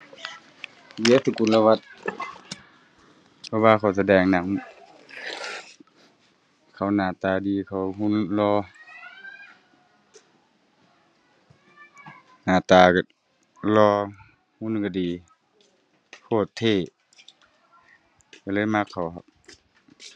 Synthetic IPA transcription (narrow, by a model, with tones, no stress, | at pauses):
bi˧˦ə˦si˧˨ku˨nla˧wa˧t̪̚ | pʰɔ˧waː˧kʰa˨˩ws̬a˧dɛː˧˩ŋna˧˨ŋ | kʰa˧˨˩wnaː˨˩t̪aː˨˧diː˨kʰa˨˧˩wɦu˧˥˨nlɔː˧˦ | naː˨˩t̪aː˨˩ka˧˨˩ | lɔː˧ | hu˧˥˨nka˧˩diː˨ | kʰoː˧˩t̪ʰːeː˧˩˨ | ka˧lɤː˧˥˨jma˧˥kʰːa˨˩wɦa˧˨w̚